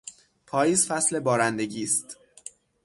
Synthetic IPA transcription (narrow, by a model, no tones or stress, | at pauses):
pʰɒːjiːzfæsle̞bɒːɾænd̪e̞ɟiːst̪